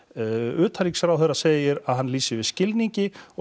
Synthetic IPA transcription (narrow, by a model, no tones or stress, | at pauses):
ʏːt̪ʰaɾiksɾawθɛrːaseːjɪɾaðɦanːliːsɪvɪðscɪlniɲcɪɔ